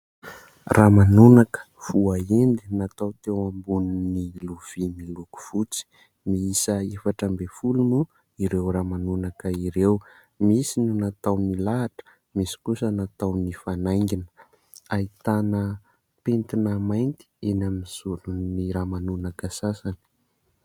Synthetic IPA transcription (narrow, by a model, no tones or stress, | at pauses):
ramanunakə̥ | v̥uaend̪inat̪awt̪ewambuninniluv̥imiluku̥v̥ut͡si̥ | miisəefaʈ͡ʂəmbefulunu | iɾewramanunakəiɾew | misinunat̪awnilaːʈ͡ʂə̥ | misi̥kusənat̪awnifanajŋɡinə̥ | ait̪anə | pent̪inəmajnt̪i̥enamiiz̥uɾunniɾamanunakəsasani̥